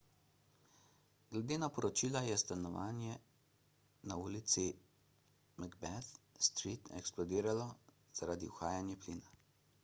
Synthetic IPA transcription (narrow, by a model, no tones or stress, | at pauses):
ɡlɛd̪eːnapɔɾɔt͡ʃilajɛst̪anɔʋa̰ːnjɛ | nauːlit̪si | maɡbɛθst̪ɾit̪ɛksplɔd̪iːɾalɔ | z̥aɾaːd̪ḭuxaːjanjɛpliːna